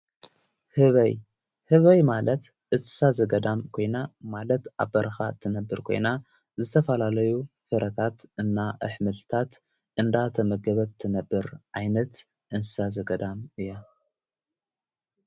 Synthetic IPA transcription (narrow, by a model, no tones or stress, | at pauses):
hɨβɐj | hɨβɐjmalɐt̪ | ʔɨnsɨ̥sazɐɡɐd̪amkʰo̞jnamalɐt̪a̰βbɐɾxat̪ʰɨnɐbːɨɾkʰo̞jna | zɨt̪ʰɐfɐlalɐjufɨɾɐt̪ʰat̪ɨnːaʔɨħmɨlt̪ʰat̪ | ʔɨnd̪at̪ʰɐmɐɡɐβɐt̪ʰːɨnɐbːɨɾʕajnɐt̪ | ʔɨnsɨsazɐɡɐd̪amɨjːa